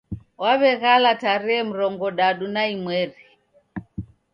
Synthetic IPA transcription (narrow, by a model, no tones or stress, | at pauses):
waβɛɣalataɾiɛm̩ɾɔŋɡɔɗaɗunaimwɛɾi